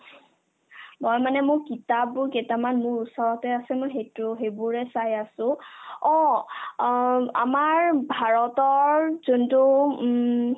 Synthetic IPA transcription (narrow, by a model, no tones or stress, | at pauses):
mɔjmanɛmʊɹkitap̚ːʊɹketamanmʊɹusɔɹɔtɛasɛmʊjɦetoɦebuɹɛsajasʊ̃ɔ̃ | a̰maɹbʱaɹɔtɔɹzuntu